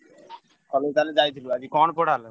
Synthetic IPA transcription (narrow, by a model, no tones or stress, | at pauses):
kʰɔled͡ʑt̪aled͡ʑajt̪ʰiluad͡ʑikɔnpɔʈale